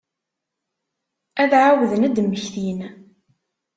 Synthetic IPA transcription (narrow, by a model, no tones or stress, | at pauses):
æðʕawðənæd̪əmːəçθin